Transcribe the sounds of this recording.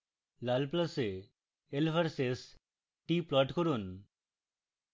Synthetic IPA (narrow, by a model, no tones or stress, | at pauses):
lalplase | elfʰaɾses | ʈiplɔʈkoɾun